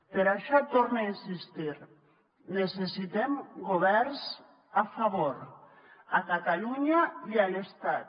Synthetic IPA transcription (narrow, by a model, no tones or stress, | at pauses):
peɾaʃɔt̪oɾnainsist̪iɾ | nesesit̪emɡoβ̞ɛɾs | afaβoɾ | akat̪aluɲaialest̪at̪